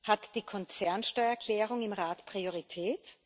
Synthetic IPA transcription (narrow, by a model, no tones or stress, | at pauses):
hatd̥iːkʰɔnt͡sɛɐnʃtɔʏɐɛɐkʰl̥ɛːʁʊŋɪmʁaːtpʁ̥ioʁitʰɛːt